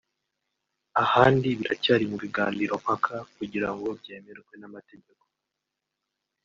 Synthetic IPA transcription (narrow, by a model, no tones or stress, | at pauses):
ahaːndiβiɾa̰caːɾimuβiɡaːndiɾo̞m̥hakʰakuɟiɾaŋɡo̞bje̞ːmeɾɡwe̞namate̞ɟe̞ko̞̥